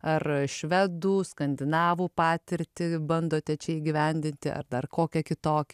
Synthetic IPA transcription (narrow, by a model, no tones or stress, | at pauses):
ɐrʃʲʋʲɛd̪uːskɐnʲd̪ʲɪnɑːʋuːpɑːt̪ʲɪɾʲt̪ʲɪbɐnd̪oːt̪ʲɛt͡ʃʲɛiɡʲɪʋʲɛnʲd̪ʲɪnʲt̪ʲɪʔɐ̰rd̪ɐrkoːkʲɛkʲɪt̪oːkʲɛ